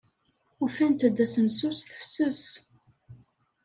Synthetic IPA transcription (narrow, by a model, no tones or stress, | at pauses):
ufænt̪æd̪ːæsəmsusθə̥fsəs